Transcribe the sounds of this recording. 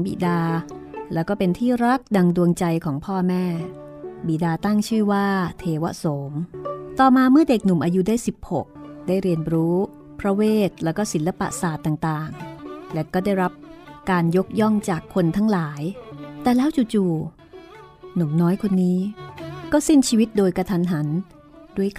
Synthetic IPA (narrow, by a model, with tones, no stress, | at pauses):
bḭ˨˩daː˧lɛː˦˥wkɔː˥˩pe˧nt̪ʰiː˥˩ɾa˦˥k̚da˧ŋdu˧əŋt͡ɕa˧jkʰɔː˩˦ŋpʰɔː˥˩mɛː˥˩ | biː˨˩daː˧t̪a˥˩ŋt͡ɕʰɯː˥˩waː˥˩t̪ʰeː˧wa˦˥so˩˦mt̪ɔː˨˩maː˧mɯ˥˩ɐde˨˩k̚nu˨˩˦mʔaː˧ju˦˥daː˥˩jsi˨˩p̚ho˨˩k̚daː˥˩jɾi˧ənɾuː˦˥ | pʰɾa˦˧˥weː˥˩t̪̚lɛː˦˥wkɔː˥˩si˩˦nla˧pa̰˨ʔsaː˨˩t̪ːaː˨˩ŋt̪aː˨˩ŋlɛ˦˥kɔː˥˩daː˥˩jɾa˦˥p̚kaː˧njo˦˥k̚jɔ˥˩ŋt͡ɕaː˨˩kʰːo˧nt̪ʰa˦˥ŋlaː˩˦jt̪ɛː˨˩lɛː˦˥wt͡ɕuː˨˩t͡ɕuː˨˩ | nu˨˩˦mnɔː˦˥jkʰo˧nːiː˦˥kɔː˥˩se˥˩nt͡ɕʰiː˧wi˦˥t̪̚doː˧jka˧t̪ʰa˧nɦa˩˦n | du˥˩əjk